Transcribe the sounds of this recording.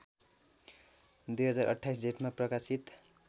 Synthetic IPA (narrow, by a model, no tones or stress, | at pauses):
d̪ujɦʌd͡zarʔʌ̰ʈʰːajs̬d͡zeʈmaprʌkasit̪